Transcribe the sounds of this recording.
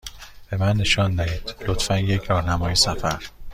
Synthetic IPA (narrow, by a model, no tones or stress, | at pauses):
b̥e̞mænːe̞ʃɒnd̪æhiːd̪̥lot̪fænjecʰɾɒːɾnæmɒːjesæfæɾ